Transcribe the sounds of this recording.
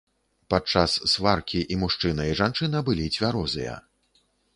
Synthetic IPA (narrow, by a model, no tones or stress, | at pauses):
pat͡ʂasːvarkʲiʔimuʂt͡ʂɨnɐiʐant͡ʂɨnɐbɨlʲit͡sʲvʲaɾɔzɨ̰jɐ̰